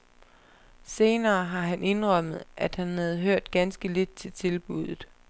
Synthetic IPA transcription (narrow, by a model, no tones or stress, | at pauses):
se̝ːnɐːɦɑ̈ɦænʔe̝nʁɒm̰ð̩ˠʔæd̥hænhæð̞̩ˠɦøɐ̰d̥ɡ̥ænsɡ̥əle̝d̥̚t͡sʰe̝lt͡sʰe̝lb̥uð̞̰ˠð̩ˠ